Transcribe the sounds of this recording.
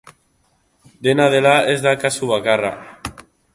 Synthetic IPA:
d̪enaðelaezðakasuβ̞akara̰

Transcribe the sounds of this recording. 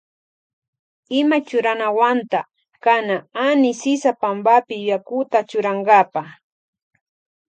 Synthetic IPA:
ɪmat͡ʃʊɾanawant̪a | kanaanɪsɪsapambapɪjʊjakʊt̪at͡ʃʊɾaŋɡapaχ

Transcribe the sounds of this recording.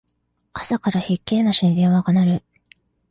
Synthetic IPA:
asakaɾaçikːe̞ːnːaɕĩnd̪ẽ̞ɰ̃βaɡanaɾɯ̟

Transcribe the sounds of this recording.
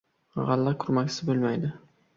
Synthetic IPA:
ʁalːakʰʊɾmakʲsɪbolˠmajd̪ɪ

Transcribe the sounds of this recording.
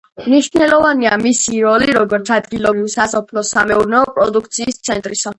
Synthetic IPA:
mniʃnɛlɔvaniamisiɾɔliiɾɔɡɔɾt̪sʰad̪ɡilɔbɾivsasɔpʰlɔsamɛuɾnɛɔpʼɾɔd̪ukʰt̪sʰiːst̪sʰɛnt̪ʼɾisa

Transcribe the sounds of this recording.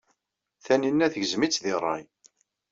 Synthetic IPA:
θæninːæθəʝəzmit͡sːðɪrˤːɑ̰j

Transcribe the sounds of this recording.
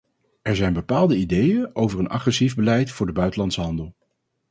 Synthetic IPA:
ɛɹzɛjnbəpaːlˠdəidejənʔowvəɹənɑ̰χrɛsivbəlɛjtfʊːɹdəbœɥtəlɑntsəɦɑndəlˠ

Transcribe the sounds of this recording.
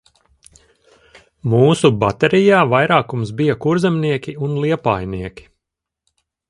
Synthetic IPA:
muːsubat̪ɛɾijaːvajɾaːkumsbijakuɾzɛmniɛkʲiunlˠiɛpaːjniɛkʲi̥

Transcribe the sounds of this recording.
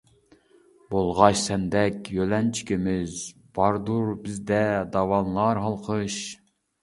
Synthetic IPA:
bolˠʁɑʃsɛnd̪ɛkʲjølɛnt͡ʃʰi̥kʲimɪzb̥ɑɾd̪uɾbɪzd̪ɛd̪ɑwɑnlˠɑɾɦɑlˠqʰəʃ

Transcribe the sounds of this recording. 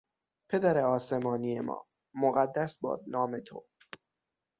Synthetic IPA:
pʰe̞d̪æɾeɒːsemɒːnijemɒ̰ː | moɣæd̪ːæsbɒ̰ːd̪̚nɒːme̞t̪ʰo̰

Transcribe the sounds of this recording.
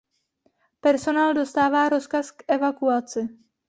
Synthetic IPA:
pɛɾso̞naːldo̞st̪aːvaːɾo̞skaskʔɛvakuat͡sɪ

